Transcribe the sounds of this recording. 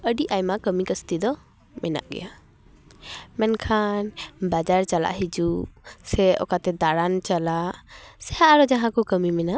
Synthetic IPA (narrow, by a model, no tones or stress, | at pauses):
əɖiʔajmakəmikəst̪id̪ɔ | mɛna̰ʔɡɛ̰ja | mɛnkʰanbad͡ʒaɾt͡ʃala̰ʔɦid͡ʒusɛɔ̰kat̪ɛd̪aɽant͡ʃalasɛhaʔɾɔd͡ʒaɦãkɔkəmimɛnaʔ